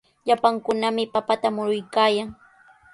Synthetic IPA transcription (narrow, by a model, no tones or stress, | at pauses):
ʎapaŋkʊnamɪpapat̪amʊɾʊjkaːjaŋ